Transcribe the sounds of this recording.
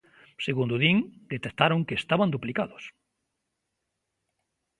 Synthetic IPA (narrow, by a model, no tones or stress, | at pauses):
seɣund̪oðiŋd̪et̪ekt̪aɾoŋkeest̪aβand̪uplikaðʊs